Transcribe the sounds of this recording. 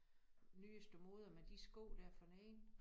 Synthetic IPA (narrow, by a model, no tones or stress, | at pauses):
nyːəsd̥omo̝ːð̞ˠɐmed̥isɡ̥o̰ːd̥æɐfɒnɛːn